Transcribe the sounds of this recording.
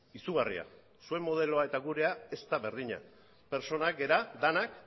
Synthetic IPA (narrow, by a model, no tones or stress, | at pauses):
isuɣ̞arḭa̰ | sue̞mːo̞ðe̞lo̞ae̞t̪aɣuɾe̞ae̞st̪aβe̞ɾð̞iɲa̰ | pe̞ɾt͡ʃo̞nakɡe̞ɾad̪anak